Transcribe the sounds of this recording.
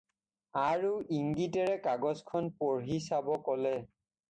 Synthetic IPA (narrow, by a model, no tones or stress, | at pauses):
aɹuʔiŋɡitɛɹɛkaɡɔzkʰɔnpoɹɦisabɔkɔlɛ